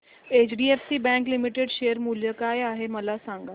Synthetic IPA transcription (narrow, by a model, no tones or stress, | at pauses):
eːt͡ɕɖiːefsibɛ̃ŋklimiʈeɖʃeːjəɾmuːljəkaeaːɦeməlasãŋɡa